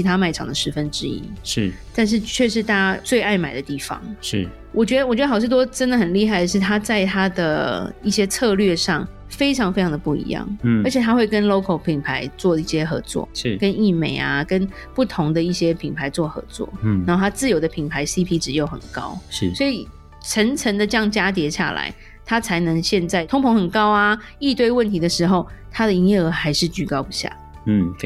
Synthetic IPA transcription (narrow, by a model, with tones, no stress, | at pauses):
t͡ɕʰi˧˥t̪ʰa˥ma˧˩ɪʈ͡ʂʰɑ̰˨˩ŋd̪ə˩ʂɻ̩˧˥fə˦˥nʈ͡ʂɻ̩˥ḭ˦˥˩t̪a˥˧nʂ̬ɻ̩˥˧t͡ɕʰɥɛ˥˧ʂɻ̩˥˧t̪ʰa˥˩t͡swe˥˧ɪa˥˩ɪma˨˩ɪd̪ə˩˦t̪i˥˩fɑ̰˨˩ŋʂ̩˥˩ | wɔ˨˩t͡ɕɥɛ˧˥d̪ə˧wɔ˨˩ɥdə˧xɑ˨˩ʊʂɻ̩˥˩t̪wɔ˥ʈ͡ʂə˥nd̪ə˨xə˨˩nli˥˧xa˥˩ɪd̪ə˩ʂ̬ɻ̩˥˩t̪ʰa˥t͡sa˥˧ɪt̪ʰa˥d̪ə˨i˥˩ɕjɛ˥t͡sʰɤ˥˧lɥɛ˥˧ʂɑ˥˨˩ŋ | fe˥ɪʈ͡ʂʰɑ˧˥ŋfe˥ɪʈ͡ʂʰɑ˧ŋd̪ə˩pu˥˩ḭ˧˥jɑ̰˥˩ŋə˧˥t͡ɕʰjɛ˨˩t̪ʰa˥xwe˥˩ɪkə˦˥nlo˥ʊkʰo˨˩ʊpʰi˨˩ŋpʰa˧˥ɪt͡swɔ˥˧i˥˩ɕjɛ˦˥xɤ̰˧˥t͡swɔ̰˥˩˥kə˦ni˥˩me˨˩ɪa̰˩kə˥n | pu˥˩t̪ʰʊ˧˥ŋd̪ə˨i˥˩ɕjɛ˥pʰi˨˩npʰa˧˥ɪt͡swɔ˥˩xɤ̰˧˥t͡swɔ̰˥˩nna˧˥xo˥˩t̪ʰa˥t͡sɹ̩˥˩jo˨˩ʊd̪ə˨˧pʰi˨˩npʰa˧˥ɪsi˥pʰi˥ʈ͡ʂɻ̩˨˩˦jo˥˩ʊxə̰˨˩nkɑ˦˥ʊ˥˩swɔ˧˥i˨˩ | ʈ͡ʂʰə˧˥ŋt͡sʰə˧˥ŋd̪ə˨t͡ɕjɑ˥˩ŋt͡ɕja˥t̪̬jɛ˧˥ɕja̰˥˩la̰˧˦ɪ | t̪ʰa˥t͡sʰa˧˥ɪnə˧˦ŋɕjɛ˥˧nt͡sa˥˩ɪt̪ʰʊ˥ŋpʰo˧˥ŋxə˨˩nkɑ˥ʊa˧ | i˥˧t̪we˥˧ɪwə˥˩nt̪ʰi˨˥d̪ə˨ʂɻ̩˧˥xo˥˧ʊt̪ʰa˥d̪ə˨i˧˥njɛ˥˩ə˧˥xa˧˥ɪʂɻ̩˥˩t͡ɕy˧˩kɑ˥ʊpu˧˥ɕja̰˥˩˥